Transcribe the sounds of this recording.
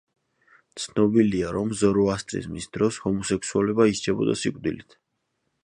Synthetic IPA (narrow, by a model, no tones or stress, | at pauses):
t̪sʰnɔbiliaɾɔmzɔɾɔast̪ʼɾḭzmisd̪ɾɔshɔmɔsɛksualɛbaiʃt͡ʃʰɛbɔ̰d̪a̰sikʼd̪ilit̪ʰ